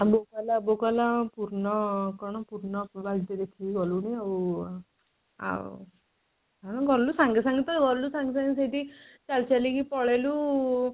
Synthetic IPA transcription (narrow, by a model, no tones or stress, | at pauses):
bokalabokalapuɾnʌkɔñɔpuɾnʌbaɡit̪ed̪ekʰiɡʌluniʌbu | a̰ | anʌɡʱʌɾlusaŋɡesãŋɡit̪ʌɡʱʌɾlusãŋɡes̬ãŋɡisajt̪it͡ʃalt͡ʃalikipɔɭelu